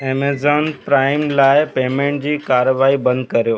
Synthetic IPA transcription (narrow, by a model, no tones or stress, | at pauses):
emezɔːnpɾaːɪmlaːjpeːmẽɳʈd͡ʑiːkaɾʋaːibɐ̃nd̪̚kɐɾjoː